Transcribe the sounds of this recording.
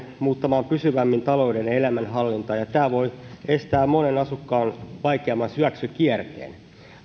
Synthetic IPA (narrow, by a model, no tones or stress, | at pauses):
muːt̪ːɑmɑːmpysyʋæmːint̪ɑlo̞udenelæmænɦɑlːint̪ɑjɑt̪æːʋo̞jest̪æːmmonenɑsukːɑːnʋɑjkeɑmːɑnsyæksyk̟iert̪ḛːn